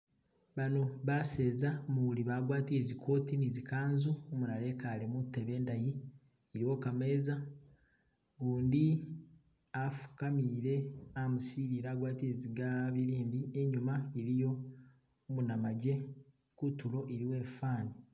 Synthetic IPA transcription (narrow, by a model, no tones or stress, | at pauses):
βano̞βase̞ːzamuβuliβaːɡwaːtiezikʰo̞ːtinizikaːnzuomunale̞kale̞mutːeβe̞ːndaji | eɾiwo̞kame̞ːza | ɡuːndi | afu̥kamiːɾe̞amusiːɾiɾaːɡwaːtieziɡaβiɾiːnbieɲumaeɾijo̞ | munamaɟe̞ | kutulo̞ʔeɾiwe̞ːfaːni